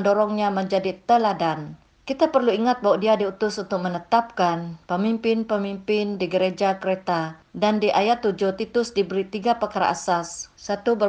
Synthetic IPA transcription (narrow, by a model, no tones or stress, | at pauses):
əndɔɾɔŋɲaməɲd͡ʒadit̪əladan | kit̪apərluiŋat̪̚baɦwadiadiut̪ʊsunt̪ʊk̚mənət̪ap̚kanpəmimpɪnpəmimpɪndiɡəɾed͡ʒakəɾet̪adandiʔajat̪ːud͡ʒʊht̪it̪ʊsdibəɾit̪iɡapəkaɾa̰ʔa̰sasːat̪ubə